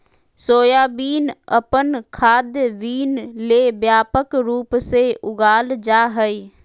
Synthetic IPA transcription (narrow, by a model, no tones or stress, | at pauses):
soːjaːbiːnəpənkʰaːd̪jʋiːnleːbjaːpəkɾuːpseʔʊɡaːld͡ʒaːɦəi